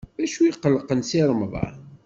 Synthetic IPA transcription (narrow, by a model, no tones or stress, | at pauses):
æʃujqəlːəqənsiɾˤəmðˤɑ̰